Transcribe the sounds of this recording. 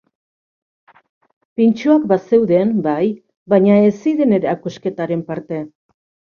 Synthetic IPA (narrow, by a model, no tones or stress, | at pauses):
pint͡ʃoakbase̞wðembaj | baɲaesiðe̞ne̞ɾeakuske̞t̪aɾe̞mpaɾt̪e̞